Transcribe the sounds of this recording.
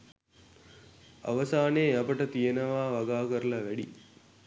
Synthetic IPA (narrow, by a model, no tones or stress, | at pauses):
ɐ̰ʋɐsaːneːɐpəʈɐt̪ijenɐʋaːʋɐɡaːkəɾlɐʋæɽḭ